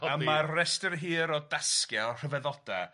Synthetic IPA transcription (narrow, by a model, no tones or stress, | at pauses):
ammaːɛstərɦiːɾɔdaskjɛr̥əvɛðɔd̥a